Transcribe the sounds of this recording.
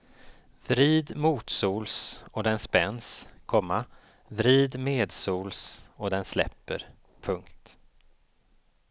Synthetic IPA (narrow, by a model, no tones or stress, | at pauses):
vɾiːd̪muːt̪suːlsɔd̪ɛnspɛnːskʰɔmːa | vɾiːd̪meːd̪suːlsɔd̪ɛnslɛ̰pːə̰ɾ | pʰɵŋkt̪